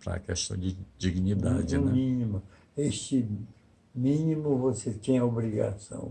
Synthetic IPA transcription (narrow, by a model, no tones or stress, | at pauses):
pɾɐ̰kɛʃt̪ɐ̰̃w̃d͡ʒɪd͡ʒiɡnid̪ad͡ʒɪñmĩnimʊ | est͡ʃɪ | mĩnimʊvoset̪ẽj̃ɐobɾiɡa̰sɐ̰̃w̃